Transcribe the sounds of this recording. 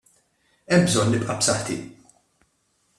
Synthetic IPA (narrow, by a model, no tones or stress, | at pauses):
ɛmbzɔnːɪpʼʔɐpsɐħt̪ḭ